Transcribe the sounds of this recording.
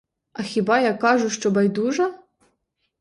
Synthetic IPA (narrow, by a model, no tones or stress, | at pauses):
ɐxʲibɑjakɑʐʊʃt͡ʃɔbajd̪uʐɐ